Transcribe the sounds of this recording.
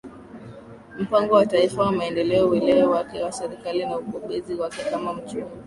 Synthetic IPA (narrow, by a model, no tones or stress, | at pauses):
m̩paŋɡɔwataifawamaɛndɛlɛɔwɛlɛwɛwakɛwasɛɾikalinauɓɔɓɛziwakɛkamam̩t͡ʃuni